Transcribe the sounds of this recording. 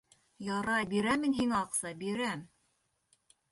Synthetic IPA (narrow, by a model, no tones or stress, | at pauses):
jɑɾɑjbiɾæminɦiŋɑqsɑbiɾæm